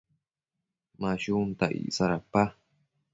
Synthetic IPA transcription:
maɕumt̪aʔḭʔsaɾapa

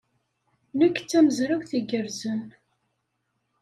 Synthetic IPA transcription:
nəkːt͡sːæməzɾæwθiɡəɾzən

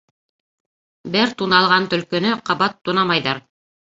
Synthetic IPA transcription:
bɘɾt̪unɑlˠʁɑnt̪ɵ̆lkɵ̆nɵqɑβɑt̪ːunɑmɑjðɑɾ

